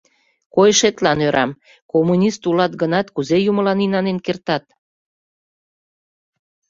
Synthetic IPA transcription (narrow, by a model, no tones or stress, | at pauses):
kojʃet̪lɑnøɾʔɑm | komunʲist̪ulɑt̪ɡənɑt̪kuzejuməlɑninɑnenkert̪ɑt̪̚